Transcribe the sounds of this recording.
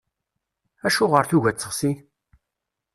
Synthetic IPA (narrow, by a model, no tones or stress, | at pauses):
æʃuʁəɾθuʝæt͡sːəχsi